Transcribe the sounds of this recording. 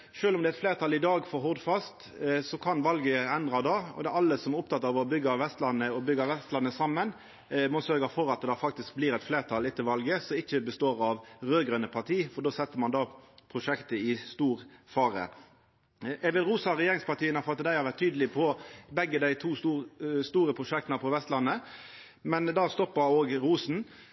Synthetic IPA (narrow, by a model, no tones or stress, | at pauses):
ʃøːlɔmd̪ɛt̪fleːʁt̪ʰɑlɪd̪ɑːɡfɔɾɦɔʁd̪fɑst̪ | sɔkʰɑnʋɑlɡəɛnd̪ʁɑd̪ɑːɔ̰d̪ɛɑlːəsɔmæɾʊp̚t̪ɑt̪ːɑʋɔbʏɡːɑʋɛst̪lɑnːəɔbʏɡɑʋɛst̪lɑnəsɑmːən | mɔsœɾɡəfɔɾɑt̪̚d̪ɛd̪ɑfɑkt̪ɪsk̚bliːɾɛt̪fleːʁt̪ʰɑlɪt̪ʰːɪlʋɑlɡəsɔɪçːəbəst̪oːʁɑʋʁøːɡʁœnəpʰɑʁt̪ʰiːfɔd̪oːsɛt̪ːəmɑnd̪ɑːpʰɾʊʂɛkt̪əɪst̪uːʁfɑːɾə̰ | ɛɡʋɪlɾuːsɑɾɛjeːʁɪŋspɑʁt̪iːənəfɔɾɑt̪ːd̪æɪhɑɾʋæʁt̪ʰːyːd̪əlɪpʰɔbɛɡːəd̪æɪt̪ʰuːsust̪uːɾəpʰʁʊʂɛk̚t̪ənəpʰɔʋɛst̪lɑnːə | mɛnd̪ɑːst̪ɔpːəoːɡɾuːsn̩